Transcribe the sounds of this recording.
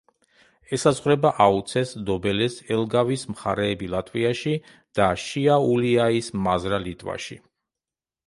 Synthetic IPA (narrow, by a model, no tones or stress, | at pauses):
ɛsazʁɾɛbaʔaut̪sʰɛsd̪ɔbɛlɛsɛlˠɡavismχaɾɛːbilˠat̪ʼviaʃi | d̪̥aʃiauliaismazɾalit̪ʼva̰ʃḭ